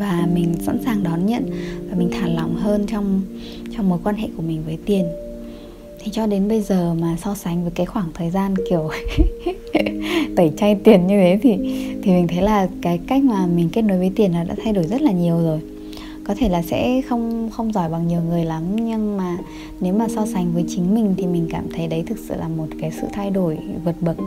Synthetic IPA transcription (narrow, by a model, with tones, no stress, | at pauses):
vaː˨˩mï˨˩ŋ̟sa̰˧˥nsaː˨˩ŋɗɔ˨˦nɲə̰˧˨nvaː˨˩mï˨˩ŋ̟t̪ʰaː˧˩la˨˦wŋ͡mɦəː˧nt͡ɕɔ˧wŋ͡m | t͡ɕɔ˧wŋ͡mmo˨˦jkwaː˧nɦḛ˧˨ku˧˩əmï˨˩ŋ̟vəː˨˦jt̪i˨˩ən | t̪ʰi˨˩t͡ɕɔ˧ɗe˨˦nɓə˧jzəː˨˩maː˨˩sɔ˧sa˨˦ŋ̟vəː˨˦jkaː˨˦jxwaː˧˩ŋt̪ʰəː˨˩jzaː˧nki˨˩əw | t̪ə˧˩jt͡ɕa˧jt̪i˨˩ənɲɨ˧vʰe˨˦t̪ʰi˨˩t̪ʰi˨˩mï˨˩ŋ̟t̪ʰə˨˦jlaː˨˩kaː˨˦jka˦˥jk̟̚maː˨˩mï˨˩ŋ̟ke˦˥t̚no˨˦jvəː˨˦jt̪i˨˩ənlaː˨˩ɗa̰ː˧˥t̪ʰa˧jɗo˧˩jzə˦˥t̚laː˨˩ɲi˨˩əwzo˨˩j | kɔ˨˦t̪ʰe˧˩laː˨˩sɛ̰˧˥xə˧wŋ͡mxə˧wŋ͡mzɔ˧˩jɓa˨˩ŋɲi˨˩əwŋɨ˨˩əjla˨˦mɲɨ˧ŋmaː˨˩ | ne˨˦wmaː˨˩sɔ˧sa˨˦jŋ̟vəː˨˦jt͡ɕï˨˦ŋ̟mï˨˩ŋ̟t̪ʰi˨˩mï˨˩ŋ̟kaː˧˩mt̪ʰə˨˦jɗə˨˦jt̪ʰɨ˨˩k̚sɨ̰˧˨laː˨˩mo˨˩t̚kaː˨˦jsɨ̰˧˨t̪ʰa˧jɗo˧˩jvə˨˩t̚ɓə˨˩t̚